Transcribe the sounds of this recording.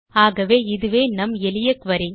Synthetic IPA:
aːɣɐʋeːɪðɯʋeːnɐmɛlɪjɐkʋɐɾɪ

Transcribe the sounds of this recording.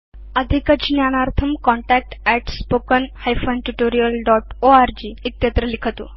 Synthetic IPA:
əd̪ʱikəd͡ʑnjañaɾt̪ʰəmkɔ̃ɳʈæk̚ʈɛʈspokənhajfənʈuʈoɾijəlɖɔʈoaɾd͡ʑiːt̪jət̪ɾəlikʰət̪ṵ

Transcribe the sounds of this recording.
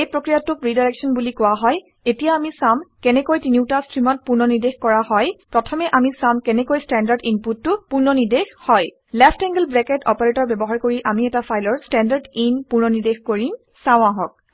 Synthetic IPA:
ejpɹokɹijatʊkɹidajɹɛksɔnbulikʊaɦɔj | etijaamisamkɛnɛkojtiniwtastɹimɔt̚puɹnɔniɹdexkɔɹahɔjpɹɔtʰɔmɛʔamisamkɛnɛkojstɛndaɹdinputːʊpuɹnɔniɹdexhɔj | lɛfʰtɛŋɡəlbɹɛkɛtɔ̰pɔɹetɔɹbɛbɔɦaɹkoɹiʔamiɛtafʰajlɔɹstɛndaɹdinpuɹnɔniɹdexkoɹim | saʊ̃aɦɔk̚

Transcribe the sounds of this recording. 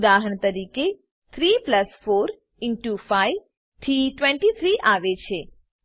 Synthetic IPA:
d̪aɦəɳt̪əɾike | t̪ʰɾipləsfoɾ | ɪɳʈufaiʋ | t̪ʰiʈʋɛ̃ɳʈit̪ʰɾiʔaʋet͡ʃʰe

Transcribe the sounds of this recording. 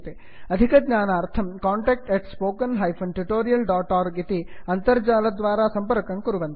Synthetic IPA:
t̪e | ɐd̪ʱikɐɡɲaːnaːɾt̪ʰɐmkaːɳʈeːk̚ʈeʈspoːkɐnɦɐjpʰɐnʈuʈoːɾijɐlɖaːʈaːɾɡit̪iɐnt̪ɐɾd͡ʒaːlɐd̪ʋaːɾaːsɐmpɐɾkɐŋkuɾuʋɐnt̪

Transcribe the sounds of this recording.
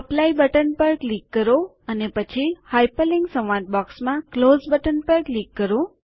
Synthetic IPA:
əplaibəʈənpəɾklikːəɾo | ənepət͡ʃʰihajpəliŋɡsə̃ʋʋãt̪̚bɔksmãklozbəʈənpəɾklikːəɾo

